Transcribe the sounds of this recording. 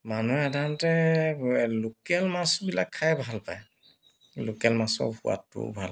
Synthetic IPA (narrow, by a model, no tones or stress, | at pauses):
manuɛadantɛ | lokɛlmasbilakʰːajbʱalpaj | lokɛlmasɔ̰ɹbuwa̰tːʊ̰bʱal